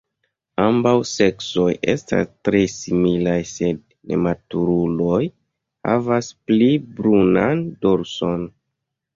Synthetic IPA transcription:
ambawse̞kso̞jʔe̞sta̰stɾe̞similajse̞d̚ | nḛmatuɾulo̞j | ha̰vasplibɾunandoɾso̞n

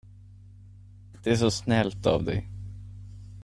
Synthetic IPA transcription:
d̪̥ɛæʂɔsnɛlt̪a̰vd̪ɛ̰j

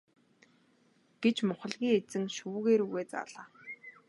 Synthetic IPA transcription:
ɡ̥et͡ɕmʊχə̆ɮɣʲiːŋet͡sɘ̆ŋʃuːɣeːɾuɣeːt͡sa̰ːɮaː

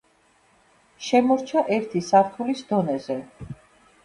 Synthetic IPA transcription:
ʃɛmɔɾt͡ʃʰaʔɛɾt̪ʰisaɾt̪ʰulisd̪ɔnɛzɛ

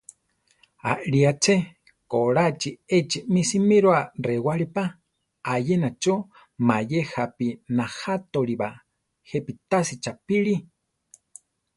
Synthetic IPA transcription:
a̰ʔɺiat͡ʃʰe | koɺat͡ʃiet͡ʃimisimiɾoarewaɾipa | ajenat͡ʃo | majehapinahat̪oɾiba | hepit̪asit͡ʃapiɺi

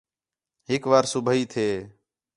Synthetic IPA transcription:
ɦɪkʋaːɾsʊbʱəiːt̪ʰeː

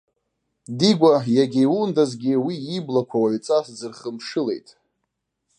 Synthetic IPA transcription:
diɡʷajaɡʲewundazɡʲɪwiːblakʷʰawaʕɥt͡sʼasd͡zɨrχəmʂɨle̞̰jtʼ

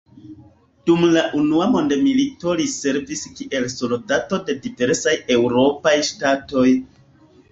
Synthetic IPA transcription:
d̥umlaʔunuamo̞ndemilito̞lise̞ɾviskiʔe̞lso̞ldato̞de̞dive̞ɾsaje̞wɾo̞pajʃtato̞j

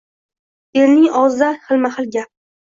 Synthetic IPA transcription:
eɾnɪŋɒʁzd̪ahɨlmahɨlɡʲap̚

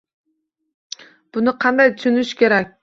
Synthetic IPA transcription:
b̥ʊnɪqʰɑnd̪ajt̪ʊʃʊnɪʃkʲe̞ɾak̚ʲ

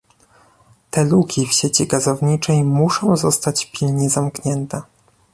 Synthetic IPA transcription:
t̪ɛlukʲifɕet͡ɕiɡazɔvɲit͡ʂɛjmuʂɔ̃w̃zɔst̪at͡ɕpʲilɲɛzamkɲɛnt̪ɛ

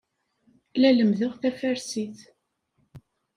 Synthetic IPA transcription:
læləmðʊʁθæfæɾsiθ

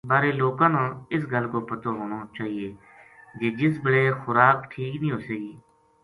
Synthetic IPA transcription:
baːɾeːloːkãːnãːɪsɡəlkoːpət̪oːɦoːñoːt͡ʃaːɦieː | d͡ʒeːd͡ʒɪs̬bəɽeːxʊɾaːkʈʰiːknĩːɦoːseːɡiː

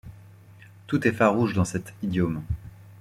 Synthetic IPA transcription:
t̪ut̪ɛfaʁuʒd̪ɑ̃sɛt̪id̪jom

